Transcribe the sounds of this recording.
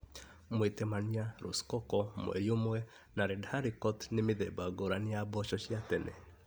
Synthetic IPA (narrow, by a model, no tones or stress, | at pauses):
mwetemaniaɾṵskɔkɔmw̰ɛ̰ɾjomwɛ | naɾɛdhaɾikɔtnemeðɛbaɡoɾanejabɔɕɔɕiatɛnɛ̰